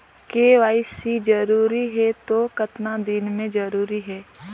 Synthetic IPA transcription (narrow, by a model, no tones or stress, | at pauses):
keːʋaːɪsid͡ʒɐɾuːɾiɦɛt̪okɐt̪nad̪inmẽd͡ʒɐɾuːɾiɦɛː